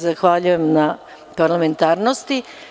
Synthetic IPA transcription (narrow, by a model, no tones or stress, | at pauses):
zaxʋaʎuje̞mna | paɾlˠame̞nt̪aːɾnost̪i